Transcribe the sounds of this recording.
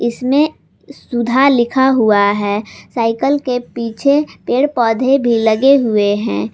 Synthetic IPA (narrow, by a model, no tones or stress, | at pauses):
ɪsmẽ | sʊd̪ʱalɪkʰaɦuaɦɛːsaːɪkəlkepiːt͡ʃʰepeːɽpɔːd̪ʱebʱilɐɡeɦʊeɦɛ̰̃ː